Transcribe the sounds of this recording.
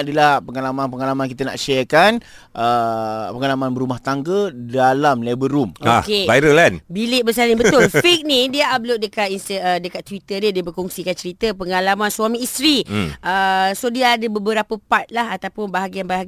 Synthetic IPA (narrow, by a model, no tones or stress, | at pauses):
adəlahpəŋalamanpəŋalamankit̪əna̰ʔʃəkan | ʔəpəŋalamanbəɾumaht̪aŋɡədalamlebəɾumoakeaɾəlanbilɪʔ̚bəs̬aniŋbət̪ʊlfik̚nĩdiəab̚loʔ̚dəkat̪inst̪əədəkat̪ːwit̪ədiədiəbəkɔŋsikant͡ʃəɾit̪əpəŋalamansuamĩːst̪ɾiʔəsodiəadəbəbəɾapəpat̪̚laɦat̪awpʊnbaɦaɡianbaɦaɡ